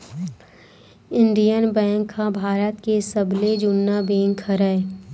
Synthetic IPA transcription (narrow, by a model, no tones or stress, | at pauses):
ɪ̃nɖijənbɛ̃ːŋkʰːãbʱaːɾət̪kesəbled͡ʒʊnːabẽːŋkʰːəɾəe